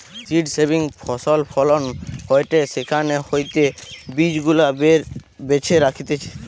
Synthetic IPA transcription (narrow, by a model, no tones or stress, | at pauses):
siɖsebiŋpʰɔsolpʰɔlonɦɔjʈesekʰanehojt̪ebid͡ʑɡulabeɾbet͡ɕʰeɾakʰit̪et͡ʃʰe̥